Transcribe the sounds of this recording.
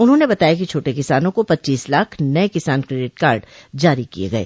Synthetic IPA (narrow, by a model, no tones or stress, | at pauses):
ʊnɦõːnebɐt̪aːjakit͡ʃʰoːʈekɪsaːnõkopɐtːt͡ʃiːslaːkʰnɐekɪsaːnkɾeːɖɪʈkaːɾɖd͡ʒaːɾikḭjḛɡɐḛː